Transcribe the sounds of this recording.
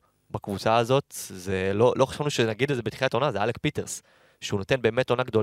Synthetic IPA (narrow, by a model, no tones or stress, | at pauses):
bakvut͡saːzo̞t̪zelo̞lʔo̞χḁʃavnuʃenaɡid̪zebetχilatonazealek̚pit̪eʁs | ʃeuno̞t̪e̞nbe̞ːme̞to̞naɡd̪o̞l